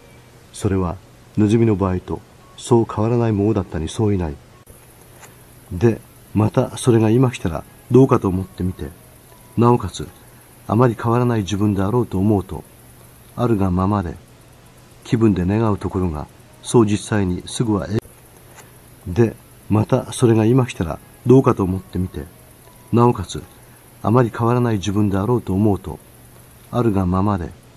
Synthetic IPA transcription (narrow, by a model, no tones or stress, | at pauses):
so̞ɾe̞β̞a | nozɨmʲino̞baːit̪o̞̰ | so̞ːkʰaβ̞aɾanaimo̞nod̪at̪ːaɲ̟iso̞ːinai | d̪e̞ | mat̪aso̞ɾe̞ŋaimakʲi̥t̪aɾa̰ | d̪o̞ːkat̪oːmo̞t̪ːe̞mʲit̪e̞̰ | nao̞kat͡sɨ | a̰maɾʲikʰaβ̞aɾanaid͡ʑibɯ̟̃nd̪e̞aɾo̞ːt̪o̞ːmo̞ɯt̪o̞̰ | aɾɯ̟ɡamamad̪e̞̰ | kʲibɯ̟̃nd̪e̞ne̞ɡaɯ̟t̪o̞ko̞ɾo̞ɡa̰ | so̞ːd͡ʑisːaiɲ̟isɨɡɯ̟βa̰ʔe | d̪e̞ | mat̪aso̞ɾe̞ɡaimakʲi̥t̪aɾa̰ | d̪o̞ːkat̪o̞ːmo̞t̪ːe̞mʲit̪e̞ | nao̞kat͡sɨ | a̰maɾʲikʰa̞aɾanaiʑibɯ̟̃nd̪e̞aɾo̞ːt̪o̞ːmo̞ɯt̪o̞̰ | aɾɯ̟ɡamamad̪e̞̰